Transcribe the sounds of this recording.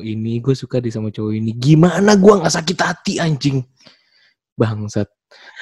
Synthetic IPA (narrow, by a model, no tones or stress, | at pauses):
iniɡuasukadisamat͡ʃawɔiniɡimanaɡuaŋasak̬it̪at̪iaɲd͡ʒɪŋ | baŋsat̪̚